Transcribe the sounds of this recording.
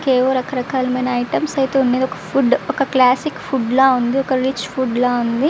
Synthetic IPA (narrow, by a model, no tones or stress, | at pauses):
keːʋoɾɐkɐɾɐkaːlɐmɐjnɐɐjʈɐmsɐjt̪eːunːeːd̪ɔkɐ̥pʰuɖɔkɐklaːsikpʰuɖlaːund̪iɔkɐɾit͡ʃpʰuɖlaːund̪i